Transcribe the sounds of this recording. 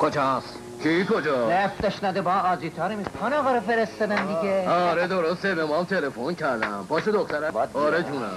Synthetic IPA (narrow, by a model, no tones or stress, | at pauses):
kʰod͡ʒɒːs | kʰikod͡ʒɒːeft̪eʃnæd̪ebɒːɒːziːt̪ʰɒːɾemikʰonɒɣɒɾɔfeɾest̪ɒd̪ænd̪iɡeɔɾed̪oɾost̪ebemɔmt̪ʰelefoncʰæɾd̪æmbɒːʃed̪oxt̪æɾæɒːɾed͡ʒuːnæ